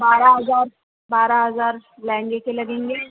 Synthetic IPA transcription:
baːɾaɦɐzaːɾ | baːɾaɦɐzaːɾlɛ̃ːŋɡekelɐɡẽːŋɡeː

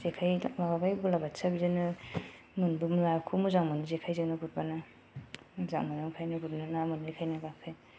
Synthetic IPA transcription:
zekʰajbababajbulabatsabizanɯ | munbumlaɾkʰumuzaŋmɯnɯzekʰajzeŋnɯɡut̚bana | zaŋmɯnɯmkʰajnɯɡutnanamɯnajkʰajnaɡak̚pʰej

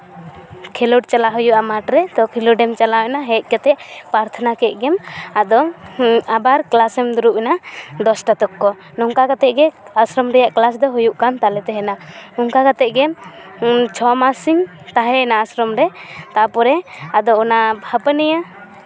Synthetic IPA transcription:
kʰɛluɖt͡ʃalaɦujuʔamaʈɾɛd̪ɔkʰɛluɖɛmt͡ʃalaɛnaɦɛc̪̚ˀkat̪ɛʔpɾaɾt̪ʰanakɛɡɛmad̪ɔ | abaɾklasɛmd̪uɾuʔɛnad̪ɔsʈat̪ɔkːɔ | nɔŋkakat̪ɛʔɡɛasɾɔmɾɛjaʔklas̬d̪ɔɦujuʔkant̪alɛt̪ɛɦɛnaɔŋkakat̪ɛʔɡɛm | t͡ʃʰɔmasiŋ | t̪aɦɛnaːsɾɔmɾɛt̪apɔɾɛad̪ɔɔnabʱapənɛja

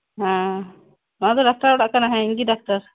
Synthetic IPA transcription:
ɦã | maad̪ɔɖak̚ʈaɾɔɽaʔkanaɦɛ̃iŋɡiɖak̚ʈaɾ

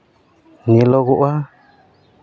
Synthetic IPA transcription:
nĩloɣuʔa

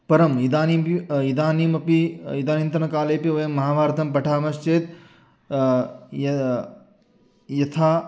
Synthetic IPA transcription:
pɐɾɐmid̪aːnimid̪aːnimɐpiid̪aːnint̪ɾɐnɐkaːleːpiʋɐjɐmːɐɦaːbʱaːɾt̪ʰɐmpɐʈʰaːmɐst͡ʃeːt̪ | jɐt̪ʰaː

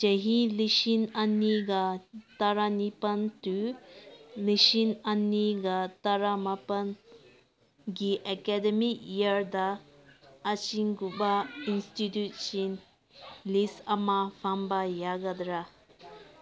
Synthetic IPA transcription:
d͡ʒɐɦiliʃinɐnːiɡat̪aɾanipɐnt̪u | liʃinɐnːiɡat̪aɾamɐpɐn | ɡiʔɛkɛdɛmikjəɾd̪aː | t͡ʃiŋɡubainstitjut̚t͡ʃin | lisɐmafambajaɡɐd̪ɾa

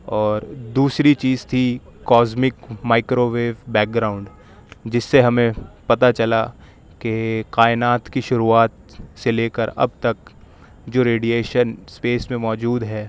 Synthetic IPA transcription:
ɔːɾd̪uːsɾit͡ʃiːzt̪ʰikːɔːzmɪkmaːɪkɾoːʋeːʋbɛːk̚ɡɾaːʊ̃ɳɖ | d͡ʒɪsːeɦɐmẽpɐt̪at͡ʃɐla | kekaːɪnaːt̪kiʃʊɾuaːt̪ | seleːkəɾɐ̰b̚t̪ɐk | d͡ʒoːɾeːɖijeːʃənspeːsmẽmɔːd͡ʒuːd̪ɦɛː

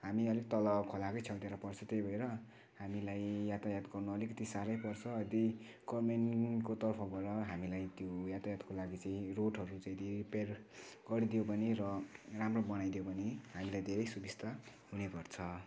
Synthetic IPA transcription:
ɦamiʌlikt̪ʌlʌkʰolakʌjt͡sʰʌwt̪eɾʌpʌrt͡sʰʌt̪ejbʱʌeɾʌ | ɦamilajjat̪ajad̪ɡʌrnuʌlikʌt̪isaɾʌjpʌrt͡sʰʌd̪i | ɡ̥ʌrmenkot̪ʌrpʰʌbʱʌɾʌɦamilajt̪jojat̪ajad̪kolaɡit͡saĩroʈɦʌɾut͡saĩd̪iperɡʌɾid̪ijobʌniɾʌramrobʌnajd̪ijobʌniɦamilajd̪ʱeɾʌjsubist̪ʰa | ɦunepʌrt͡sʰʌ

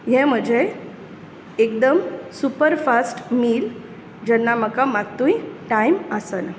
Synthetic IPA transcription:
ɦẽm̤əd͡zʱe | ekd̪əmsupəɾfasʈmiːl | d͡ʑɛnːaməkamat̪ũjiʈaiməsən

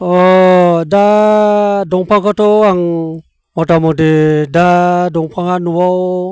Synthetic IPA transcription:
ɔda | dɔŋpʰakɔtɔaŋ | mɔtamɔdedadɔŋpʰaŋanuwaw

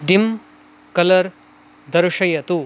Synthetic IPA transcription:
ɖim | kɐlɐɾ | d̪ɐɾuʂɐjɐt̪u

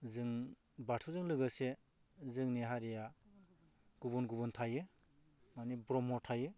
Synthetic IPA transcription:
zɯŋ | batʰuzɯŋlɯɡɯse | zɯŋniɦaɾija | ɡ̥ubunɡubuntʰajɯ | manibɾɔmɔtʰajɯ

